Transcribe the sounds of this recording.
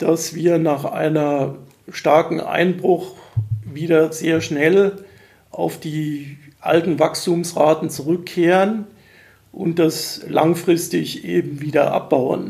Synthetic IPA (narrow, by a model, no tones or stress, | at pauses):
d̥asv̥iːɐnaːχʔa̰ɪnɐ | ʃtaɐkŋ̩ʔa̰ɪnbʁʊχviːdɐzeːɐʃnɛl | ʔa̰ʊfd̥iːʔa̰ltn̩vakstuːmsʁaːtn̩t͡suʁʏkʰːeːʁən | ʔʊntd̥aslʔa̰ŋfʁ̥ɪstɪçʔeːbm̩viːdɐʔa̰p̚b̥aʊə̰n